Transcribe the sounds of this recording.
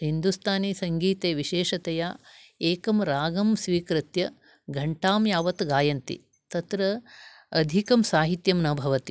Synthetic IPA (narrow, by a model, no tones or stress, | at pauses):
hind̪ust̪ʰaːniːsɐŋɡiːt̪eːʋiʃeːʃɐt̪ɐjaːeːkɐmɾaːɡɐmsʋiːkɾit̪jɐ | ɡʱɐɳʈaːmjaːʋɐt̪ɡaːjɐnt̪ḭ | t̪ɐt̪ɾɐ | ɐd̪ʱikɐmsaːɦit̪jɐmnɐbʱɐʋɐt̪i